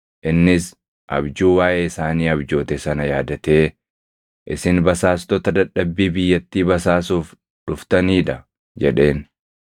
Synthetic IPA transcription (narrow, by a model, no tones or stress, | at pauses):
ʔɪnːɪs | ʔɐ̰bd͡ʒuːwaːʔeːɪsaːniːɐbd͡ʒo̞ːt̪ɛsɐnɐjaːd̪ɐt̪e̞ː | ʔɪsɪnbɐsaːst̪ɔt̪ɐd̪ɐᶑːɐbːiːbɪjːɐt̪ːiːbɐsaːsuːf | ᶑʊft̪ɐniːᶑɐ | d͡ʒɛᶑe̞ːn